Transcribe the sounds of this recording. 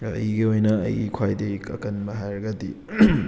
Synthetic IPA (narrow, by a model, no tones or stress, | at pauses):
ɐ̰jiɡiojnɐ̰ːjikʰwajdekɐ̰kɐnmɐɦajɾɐɡɐdi